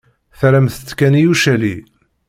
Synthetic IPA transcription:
θɾæmθət͡sːkænijuʃæli

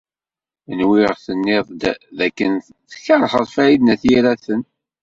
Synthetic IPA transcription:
ənwɪʁθənːɪðˤd̪ðækːən | θçaɾˤħəðˤfæjid̪næθjiɾæθən

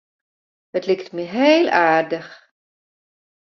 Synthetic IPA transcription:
dətlɪktmiɦeːlˠaːrdəx

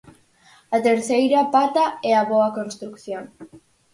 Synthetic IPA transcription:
ɐt̪eɾθejɾɐpat̪ɐɛɐβoɐkonst̪ɾukθjoŋ

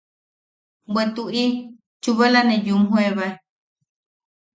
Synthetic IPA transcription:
wʷet̪uʔi | t͡ʃuβalanẽjumɦueβaj

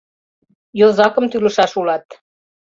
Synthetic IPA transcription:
jozɑkəmt̪ylə̆ʃɑʃulɑt̪

